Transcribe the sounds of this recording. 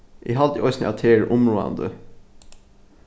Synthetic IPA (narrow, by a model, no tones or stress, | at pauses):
ʔiːɦɑld̪iʔɔʏsnɪ̰ʔɑt̪ʰeːɹʔʊmɹuːaɑ̰nd̪ə̰